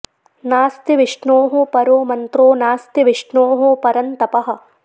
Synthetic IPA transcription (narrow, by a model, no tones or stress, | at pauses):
naːst̪iʋɪʂɳoːɦopɐɾoːmɐnt̪ɾoːnaːst̪iʋɪʂɳoːɦopɐɾɐnt̪ɐpɐɦɐ̆